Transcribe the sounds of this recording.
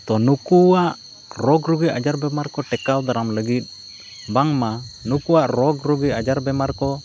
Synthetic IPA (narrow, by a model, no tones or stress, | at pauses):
t̪ɔnukuwaʔ | ɾɔɡɾuɡiʔad͡ʒaɾbɛmaɾkɔʈɛkawd̪aɾamləɡit̪̚ | baŋmanukuwaʔɾɔɡɾuɡiad͡ʒaɾbɛmaɾkɔ